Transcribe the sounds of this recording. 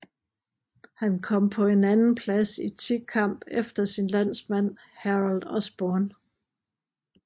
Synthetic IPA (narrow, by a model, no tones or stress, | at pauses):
hænkʰɒ̽m̰pʰɒ̽e̝nænn̩pʰlæsit͡sʰikʰɑm̰b̥efd̥ɐsinlæn̰smæn̰ | hæʁɑld̥ɒsb̥ɒːn